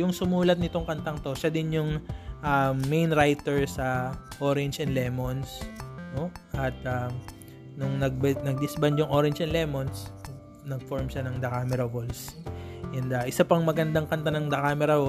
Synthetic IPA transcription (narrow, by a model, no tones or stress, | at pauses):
jʊŋsʊmuːlɐt̪̚nɪt̪o̞ŋkɐnt̪ɐŋt̪o̞ʃad̪ɪnjʊŋʔɐmːejnɾajt̪ɛɹsɐʔoɾɪnd͡ʒɛnd̪lɛːmonsnoʔɐt̪ɐm | nʊŋnɐɡ̚bnɐɡ̚d̪ɪsbɐnd̪jʊŋʔoɾɪnt͡ʃɛnlɛːmo̞ns | nɐɡ̚foɹmʃanɐŋd̪ɐkaːmɛɾɐvolsʔɛnd̪ɐʔɪsapɐŋmɐɡɐnd̪aŋkɐnt̪anɐŋd̪ɐkaːmɛɾɐo